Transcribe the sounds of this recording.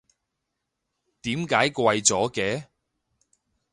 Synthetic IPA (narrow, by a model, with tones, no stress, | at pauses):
t̪iː˨˥mkaː˨˥jkʷɐ˧jt͡sɔː˨˥kɛː˨˧